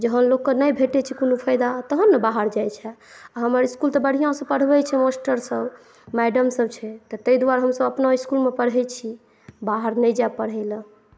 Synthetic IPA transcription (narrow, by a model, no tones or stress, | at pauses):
d͡ʒəɦənlokːənəjbʱeʈɛt͡ʃʰikonupʰəjd̪at̪əɦənːəbaɦəɾd͡ʒajt͡ʃʰɛaɦəməɾiskult̪ɔbəɽ̤ijãsəpəɽ̤bɛt͡ʃʰɛmasʈəɾsəb | mɛɖəmsəb̚t͡ʃʰɛt̪ɔt̪əid̪uwaɾɦəmsəbəpnaiskulmepəɽɦɛt͡ʃʰi | baɦəɾnəjd͡ʒapəɽ̤ɦɛlə̃